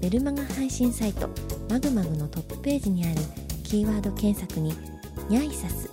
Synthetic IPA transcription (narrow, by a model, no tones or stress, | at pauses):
b̥e̞ɾɯ̟maɡahãɰ̃ɕĩɰ̃sait̪o̞̰maɡɯ̟maɡɯ̟no̞t̪o̞pːɯ̥pe̞ːʑiɲ̟iaɾɯ̟kʲiːβaːd̪o̞kẽ̞ɰ̃sakɯ̟ɲ̟i | ɲʲaisasɨ̥